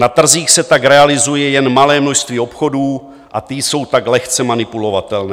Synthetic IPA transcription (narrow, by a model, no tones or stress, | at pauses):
nat̪r̩ziːxsɛt̪aɡɾɛalɪzujɛjɛnmalɛːmnoʃst̪viːo̞pxo̞duː | ʔat̪ɪso̞wt̪aɡlɛxt͡sɛmanɪpulo̞vat̪ɛlnɛ